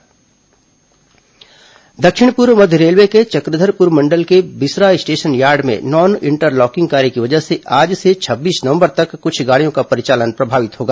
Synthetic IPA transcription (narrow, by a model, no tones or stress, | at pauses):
d̪ɐkʃɪɽ̃puɾmɐd̪ʱjəɾeːlʋeket͡ʃɐkɾɪd̪ʱəɾpʊɾmɐ̃ɳɖəlkebɪsɾaːjsʈeːʃənjaːɾɖmḛ̃nɔːnɪ̃ɳʈəɾlɔːkɪ̃ŋɡ̚kaːɾikiʋɐd͡ʒəɦseʔaːd͡ʒset͡ʃʰɐbːiːsnəɐʋə̃mbəɾt̪ɐkːʊt͡ʃʰɡaːɽijõkapɐɾɪt͡ʃaːlənpɾɐbʱaːʋɪt̪ɦoːɡaː